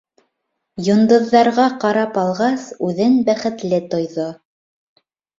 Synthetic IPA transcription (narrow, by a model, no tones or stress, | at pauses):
jŏnd̪ɤ̆ðːɑɾʁɑqɑɾɑpɑlˠʁɑsʉðɘŋbæχɘ̆t̪lɘt̪ŏjðo